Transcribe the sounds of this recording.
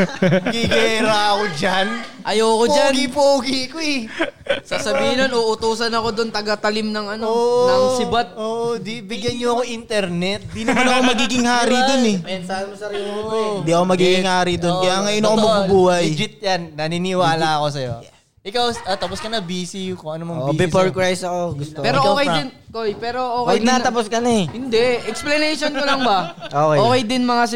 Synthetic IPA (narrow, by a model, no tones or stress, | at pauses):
mɐɡiɡɐɛɾaɐkod͡ʒanʔɐjoːkopd͡ʒanɡipoɡikoɛ | sasɐbiːhɪnonʔoʔʊt̪uːsɐnɐko̞d̪ont̪ɐɡɐt̪ɐlɪmnɐŋʔɐnonɐŋsɪbat̪̚oːʔd̪ibɪɡjɐnɲoɐkoʔint̪ɛɾnɛt̪̚d̪iːnɐmanɐkomɐɡiːɡɪŋhaːɾid̪onɛmɐɐnsabɪmosɐɾɐond̪iʔɐkomɐɡiːɡɪŋhaːɾid̪onkɐjaŋɐjonɐkomɐubuːhɐjd͡ʒɪt̪̚jannɐninɪwaːlɐɐko̞sɐjo | ʔɪkawʔɐt̪ɐpʊskɐnɐbiːsikoʔɐnomɐŋːʔobɛpoɹkɹajsɐkoɡʊst̪opɛːɾoʔokejɪnkojpɛːɾoʔoːnɐt̪ɐposkɐnɐɛhɪnd̪ɛʔɛksplɐnɛjʃonkolɐŋbɐʔoːkɛokejd̪ɪnmɐŋas